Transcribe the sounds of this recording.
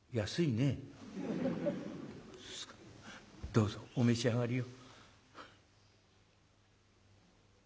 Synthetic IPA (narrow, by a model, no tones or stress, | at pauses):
jasɨine | d̪̥oːzoomeɕiaɡaɾʲijo